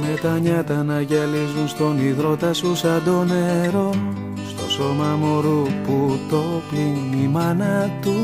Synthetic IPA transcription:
me̞t̪ɐɲɐt̪ɐnɐʝelizunst̪o̞niðɾo̞t̪ɐsusɐd̪o̞ne̞ɾo̞ | st̪o̞so̞mɐmoɾuput̪o̞pinimɐnɐt̪u

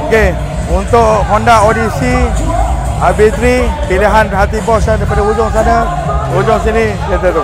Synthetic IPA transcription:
oke | unt̪oʔɦɔndaʔodisi | abit̪ɾipiliɦanɦat̪ipɔsadapadaɦud͡ʒɔŋsanə | hud͡ʒuŋs̬inijət̪et̪u

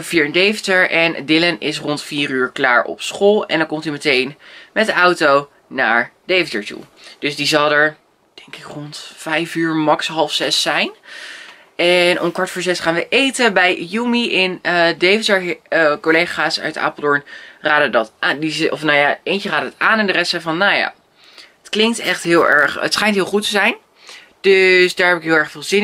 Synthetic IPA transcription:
viːɹndejvətəɹʔɛndɪlənɪsrɔntfiːɾyːɹklaːɹɔ̰psχolˠɛ̰ndɑŋkɔmtimətejnmɛtdəɑwtow | na̰ːɹd̥ejfətəɹtṵd̥ɵzdizɑlˠəɹ | d̥ɛŋkɪkrɔntfɛjfyːɹmɑksɦɑlˠfsɛsːɛjn | ɛnʔɔ̰mkʋɑɹtfɔːɹzɛsχaːnʋəʔejtəbɛjjumiʔɪnədejfɪsəɹkolejχaːsœ̰ɥta̰ːplˠdɔɹnraːdədɑtʔaːndizɔfnajaejnt͡ʃəraːdəətaːnɛndərɛstsɛfɑnːawja̰ː | ətklɪŋktɛχtɦɪːlˠɛɹχə̰tsχɛjntɦɪːlˠχutəzɛjn | d̥øsdaːɹɦɛpɪkɦɪːlˠɛɹχfɪːlˠzɪn

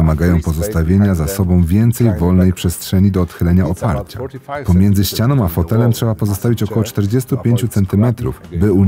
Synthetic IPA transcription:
ɘmaɡajɔ̃w̃pɔzɔst̪avʲjeɲazasɔbɔ̃w̃vʲjɛnt̪sɛjvɔlnɛjpʂɛstʂɛɲid̪ɔːt̪xɘlɛɲaɔpaɾt͡ɕa̰pɔmʲjɛnd̪zɘɕt͡ɕanɔ̃w̃afɔt̪ɛlɛmtʂɛbapɔzɔst̪avʲit͡ɕɔkɔwɔt͡ʂt̪ɛɾd͡ʑɛst̪upʲjeɲt͡ɕut̪sɛnt̪ɘmɛt̪ɾṵvbɘu

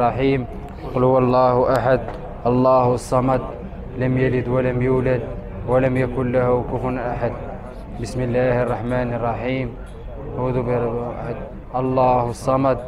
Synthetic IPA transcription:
ɑħiːm | qʊlhʊwɑlˤːɑːhʔaħad̪̚ | ʔɑlˤːɑːhsˤːɑmɑd̪̚ | ləmjælɪd̪wæləmjuːlæd̪ | wæləmjækʊnlæhʊkʊfʊnʔaħad̪ | bəsməlːaːhɑrˤːɑħmæːnərˤːɑħiːm | ʕud̪ubħad̪̚ | ʔɑlˤːɑːhsˤːɑmɑd̪̚

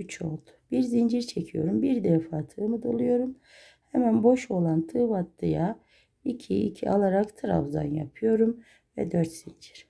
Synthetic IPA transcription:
yt͡ʃʰo̞lˠd̪u̥b̥iɾzind͡ʒiɾt͡ʃʰecʰijo̞ɾumbiɾd̪ɛfaːt̪ʰɯːmɯd̪ulˠɯjo̞ɾum | hɛmænbo̞ʃo̞lˠant̪ʰɯːvat̪ːɯja | icʰiḭcʰiʔa̰lˠaɾakt̪ʰɯɾa̰vza̰nja̰pʰɯjo̞ɾum | vɛ̰d̪øɾt̪z̥ind͡ʒiɾ̥

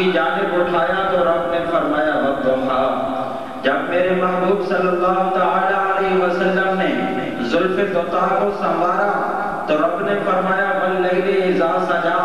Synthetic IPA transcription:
iːd͡ʒaːnɪbʊʈʰaːjat̪oːɾɐbnɛ̃fɐɾmaːjaːɦɐd̪õːt̪ʰaː | d͡ʒɐbmeːɾemaɦbuːbsəlːəlːaːɦot̪aːlaəleɦʋəsəlːəmnɛ̃ː | zʊlfed̪ot̪aːkõsãbʱaːɾa | t̪oːɾɐbnɛ̃fəɾmaːjabəlːəɦɾeɪzaːsãːd͡ʒaː

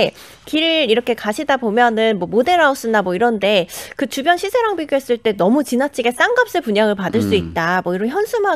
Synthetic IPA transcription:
kiɾɯɾiɾʌkʰe̞kaɕʰidabomjʌnɯnmwʌmode̞ɾaos͈ɯnamwʌiɾʌnde̞kɯt͡ɕubjʌnɕʰisʰe̞ɾaŋpiɡjoɦe̞s͈ɯɭt͈e̞nʌmut͡ɕinat͡ɕʰiɡes͈aŋɡap̚s͈epuɲaŋɯɭpadɯɭs͈uit̚t͈amwʌiɾʌnçjʌnsʰɯmɦa

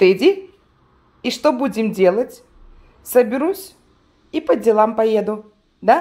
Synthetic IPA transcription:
t̪ɨdʲi | iʂt̪obudʲɪmdʲe̞lˠətʲ | səbʲɪɾusʲ | ipədʲɪlˠampɐjed̪ʊ | d̪a

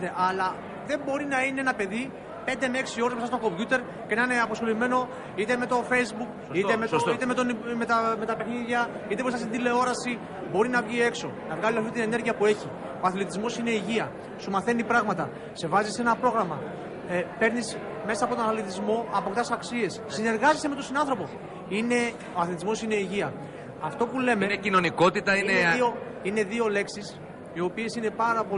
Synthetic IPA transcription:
t̪eʔɐlɐ | ðe̞mbo̞ɾinɐineenɐpe̞ði | pe̞nd̪emeksio̞ɾemes̬ɐst̪oko̞mbʝut̪e̞ɾ | cenɐine̞ɐposxo̞lime̞no̞ | it̪e̞me̞t̪o̞fe̞jzbuk | it̪emeit̪emet̪onmet̪ɐme̞t̪ɐpe̞xniðʝɐit̪eɾisɐs̬id̪ile̞o̞ɾɐsi | bo̞ɾinɐvʝie̞kso̞nɐvɣɐliɐft̪it̪ine̞ne̞ɾʝiɐpue̞çi | ɐθlit̪izmo̞sine̞iʝiɐ | sumɐθe̞nipɾɐɣmɐt̪ɐ | se̞vɐzisenɐpɾo̞ɣɾɐmɐ | pe̞ɾnis | me̞sɐːpo̞t̪onɐθlit̪izmo̞ɐpo̞kt̪ɐsɐksie̞ssine̞ɾɣɐzeseme̞t̪o̞sinɐnθɾopo̞ | ine̞ | oɐθlit̪izmo̞sine̞iʝiɐː | ft̪o̞pule̞meecino̞niko̞t̪it̪ɐieeio | ine̞ðio̞le̞ksis | io̞pie̞sine̞pɐɾɐpo

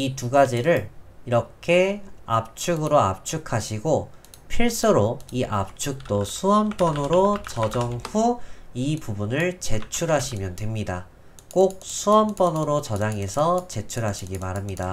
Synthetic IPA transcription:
ituɡad͡ʑiɾɯɭiɾʌkʰe̞ap̚t͡ɕʰuɡɯɾoap̚t͡ɕʰukʰaɕʰiɡo | pʰiɭs͈ɯɾoiʔap̚t͡ɕʰuk̚t͈osʰuʌmp͈ʌnɯɾot͡ɕʌd͡ʑʌŋhuipubunɯɭt͡ɕe̞t͡ɕʰuɾɦaɕʰimjʌntwe̞mɲida̰ | k͈ok̚sʰuʌnp͈ʌnɯɾot͡ɕʌd͡ʑaŋe̞sʰʌt͡ɕe̞t͡ɕʰuɾɦaɕʰiɡimaɾamɲida

